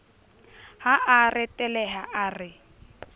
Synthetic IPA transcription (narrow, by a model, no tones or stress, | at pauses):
haarɪtʼɛlɛɦaʔarɪ